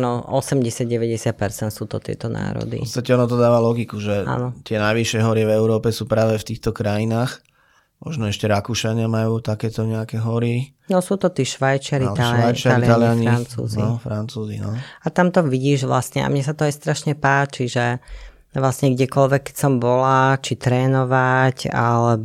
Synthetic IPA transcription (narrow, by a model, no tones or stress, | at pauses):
nɔɔsɛmɟɛsɪad̪̚ɟɛʋɛɟɛsɪat̪̚pɛɾt͡sɛnt̪suːt̪ɔt̪ɪɛ̰t̪ɔna̰ːɾɔ̰dp̪ḭpɔst̪acɛɔnɔt̪ɔd̪aːʋalɔɡikuʒɛʔa̰ːnɔt̪ɪɛnajʋiʃɪɛɦɔɾɪɛvɛʊɾɔːpɛsuːpɾaːʋɛft̪iːxt̪ɔkɾajinaːx | mɔʒnɔɛʃcɛɾakuʃaɲɪamajuːt̪akɛːt̪ɔɲɛakɛɦɔɾi | nɔsuːt̪ɔt̪iːʃʋajt͡ʃɪaɾit̪aljaajt͡ʃaɾalaalɪjaɲiɾnt͡sṵːznḭɔfɾant͡suːzḭnɔat̪amt̪ɔʋiɟiːʒʋla̰sɲɛa̰mɲɛsat̪ɔajst̪ɾaʃɲɛpaːt͡ʃiʒɛ | ʋlasɲɛɡɟɛkɔlʋɛkːɛ̥csɔmbɔlat͡ʃit̪ɾɛːnɔʋacalɛbɔ